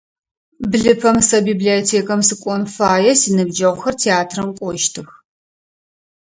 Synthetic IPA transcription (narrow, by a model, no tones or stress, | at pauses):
bɮɨpʰɐmsɐbiːbliotʰeːkʰɐmsɨkʷʼɔnfaːjɛsinɨbd͡ʒɐʁʷxɐrtʰeaːtʰrɐmkʷʼɔʃtʰɨx